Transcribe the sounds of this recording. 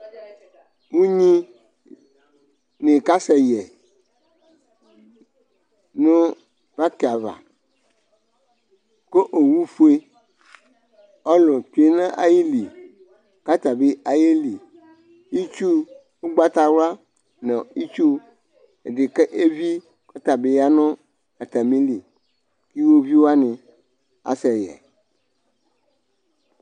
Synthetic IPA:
ŋũ˦ɲĩ˦ | nẽ˨ka˦sɛ˨jɛ˨ | nũ˦ | pa˦ke˨a˨va̰˨ | ko˦ʔo˨wu˦fu˦e˦ | ɔ˦lɔ̃˨t̪u˨˦e˦nã˦ʔa˨ji˦li˨ | ka˦t̪a˨be˦a˨je˦li˨ | i˦t͡ʃu˦ | wo˦ɡ͡ba˦t̪a˨wu˦a˦ | nɛ̃˨i˦t͡ʃu˦ | e˨ɖe˨ke˦ʔe˦vi˦ | ka˦t̪a˨be˨ja˦nɔ̃˦ | a˨t̪a˨mĩ˦li˨ | ki˦wo˦vi˦wo˦a˦nẽ˨ | a̰˨sɛ˨jɛ̰˨

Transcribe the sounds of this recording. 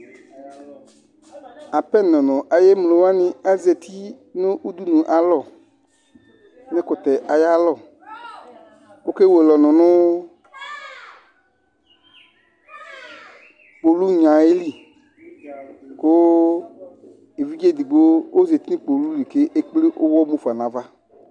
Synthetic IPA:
a˨pɛ˦nɔ̃˨nɔ̃˨ʔa˨je˦mlo˨wa˦nɪ̃˦a˨ze˨t̪ʰi˦ | nʊ̃˦ʔu˦d̪u˦nũ˨ʔa˨lɔ˦˨ | nɛ̃˦kʊ˨t̪ɛ˨ʔa˨ja˦lɔ˦˨ | o˦ke˦we˨lɔ˨nɔ̃˨nʊ̃˦ | k͡po˨lu˦ɲã˨e˦li˦˨ | ko˦ | e˨vi˦d͡ʒe˦˨d̪i˨ɡ͡bo˦o˦ze˨t̪i˦nĩ˦k͡po˨lu˦li˨ke˦ʔe˦k͡pli˦ʔo˦wɔ˦mo˦fa˨nã˨˦va˦

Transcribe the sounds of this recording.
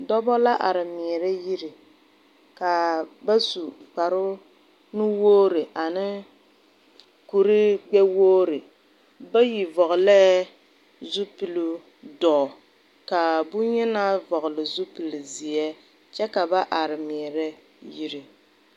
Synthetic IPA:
dɔ˦bɔ˦la˦ʔa˨ɾɪ˨mɛ˨ɾɛ˦ji˦ɾi˨ | ka˨ba˦su˨k͡pa˨ɾʊ˦ | nʊ˦woː˦ɾɨ˨ʔa˨nɪ˦ | ku˨ɾɪ˦ɡ͡bɛ˦woː˦ɾɨ˨ | ba˦ji˨vɔ˨ɣʊ˨lɛ˦ | zu˦pi˨lu˦ | dɔː˨ | ka˨bʊ˦ɲɛ˦na˦vɔ˨ɣʊ˨lɨ˨zu˦pi˨lɨ˨zɪ˨ɛ˦ | t͡ʃɛ˦ka˨ba˦ʔa˨ɾɪ˨miː˨ɾɛ˦ | ji˦ɾɪ˨

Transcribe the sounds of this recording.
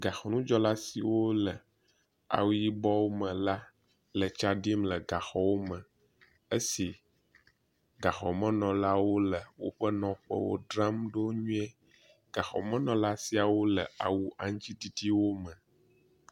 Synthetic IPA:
ɡa˨xɔ˨nũ˦d͡ʒɔ˦la˦si˨wo˦lə˨ | a̰˨wu˦ji˦bɔ˦wo˦mə̃˨la˦ | lə˨t͡ʃa˦ɖi˦mlə˨ɡa˨xɔ˨˦wo˦mə̃˨ | e˦si˨ | ɡa˨xɔ˨mə̃˦nɔ̃˨la˦wo˦lə˨wo̰˦ɸə˦nɔ̃˨ɸə̰˦wo̰˦ɖɾa˦mɖo˦ɲũ˦ɛ˦ | ɡ̥a˨xɔ̰˨mə̃˦nɔ̃˨la˦si˦a˨wo˦lə̰˨a˨wu˦ʔa˨ɲ˦t͡ɕi˦t̪i˦t̪i˦wo˦mə̃˨

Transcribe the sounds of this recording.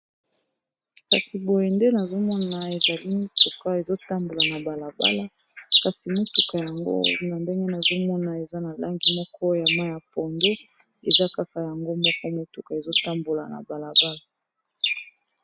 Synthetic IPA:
ka˨si˨bo˨je˨nde˦na˨zo˦mɔ˦na˨e˨za˨li˦mo˦tu˨ka˦e˨zo˦ta˦mbo˨la˨na˨ba˨la˨ba̰˦la˦ka˨si˨mo˦tu˨ka˨ja˨ŋɡo̰˦na˨nde˦ŋɡe˦na˨zo˦mɔ˦na˨e˨za˦na˨la˦ŋɡi˨mɔ˦kʰɔ˦ja˨ma˦ja˨pɔ˨nɡe˦ | ḛ˨za˦ka˦ka˨ja˨ŋɡo˦mɔ˦kɔ˦mo˨tu˨ka˨e˨zo˦ta˦mbo˨la˨na̰˨ba˨la˨ba˦la˨

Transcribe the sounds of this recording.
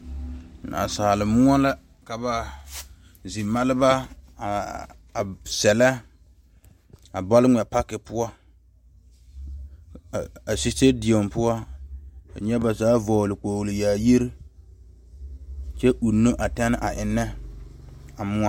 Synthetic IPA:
na̰˨saː˨lɪ˨mʊ˦a˦la˦ | ka˨ba˨ | zi˨ma˦lɪ˦ba˦˨ | sɛ˨lɛ˦ | a˨bɔ˦lɪ˦ŋʷɛ˨pa˦kɪ˨pʊ˦ɔ˦˨ | a˨si˦te˦di˨o˨mpʊ˦ɔ˦ | a̰˨ɲɛ˦ba˨zaː˨˦vɔː˨lɪ˨k͡poː˨lɪ˨jaː˨ji˦ɾi˦ | t͡ʃɛ˦ʔu˨nːo˦ʔa˨ta˦nɪ˦ʔa˨ʔɪ˨nːɛ˦ | a˨mʊ˦a˦

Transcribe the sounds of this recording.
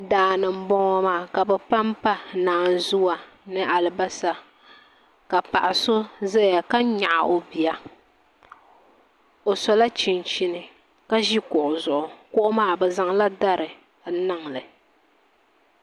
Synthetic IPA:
daː˨nɨ˨m̩˦bɔ˦ŋɔ˦maː˦˨ka˨bɛ˨pa˦mpa˦naː˨n˦zʊ˦wa˨ | nɨ˦ʔa˨lɨ˨ba˦sa˨ | ka˨pa̰˨ʔa˨so˦zɛ˦ja˨ka˦ɲa̰˨ʔa̰˨o˨bi˨a˨ | o˨sɔ˨la˦t͡ʃi˨nt͡ʃi˦nɨ˨ | ka˦ʒi˦kʊ˨ʔʊ˨zʊ˨ʔʊ˨kʊ˦ʔʊ˦maː˦˨bɛ˨za˦ŋla˦da˦ɾɨ˨˦ | na˦ŋlɨ˨

